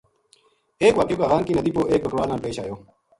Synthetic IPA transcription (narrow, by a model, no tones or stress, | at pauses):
eːkwaːkekaːɣaːŋkiːnɐd̪iːpoːʔeːk̚bəkɾwaːlnaːnpeːʃa̰ːjoː